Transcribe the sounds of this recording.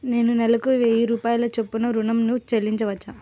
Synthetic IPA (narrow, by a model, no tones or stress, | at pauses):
ne̞ːnunɛlɐkuʋejiɾuːpaːjɐloːt͡ʃepːunɐɾunɐmnut͡ʃelːiɲt͡ʃɐʋɐt͡ʃːa